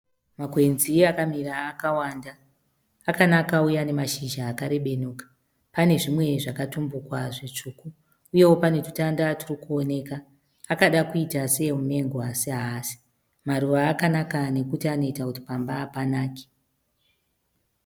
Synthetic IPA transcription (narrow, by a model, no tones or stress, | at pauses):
makwe̞nziakamiraːkawandaː | kanakaujane̞maʃiʒaːkaɾe̞ɓe̞nuːkḁ | pane̞ʐimwe̞ʐakatumbukwaʐet͡ʂuːkuː | je̞wo̞pane̞tu̥tandatirikuo̞ne̞kaː | kaɗakuitase̞mume̞ŋɡoasiɦasi̥ | maɾuʋaːkanakane̞kutiano̞itakuti̥pambaːpanaːke̥